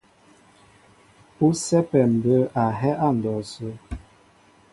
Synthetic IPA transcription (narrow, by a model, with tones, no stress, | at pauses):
u˦sɛ˦pɛ˨m˨bə˦a˨ɦɛ˦ʔa˦˨n̩˨dɔ˨sə˦